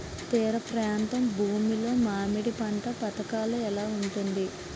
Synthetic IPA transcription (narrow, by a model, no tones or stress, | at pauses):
t̪ɛːɾɐpɾaːnt̪ɐmbʱuːmilo̞ːmaːmiɽipɐɳʈɐpɐt̪ɐkaːluɛlaːuɳʈund̪i